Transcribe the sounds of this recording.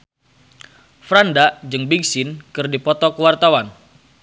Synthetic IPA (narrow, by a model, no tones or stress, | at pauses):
fɾandad͡ʒɨŋbiɡsɪnkɨrdipɔt̪ɔkəwart̪awan